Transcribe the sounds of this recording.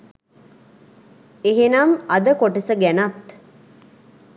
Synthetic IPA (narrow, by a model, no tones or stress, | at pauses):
eɦenamɐd̪əkoʈəsəɡænat̪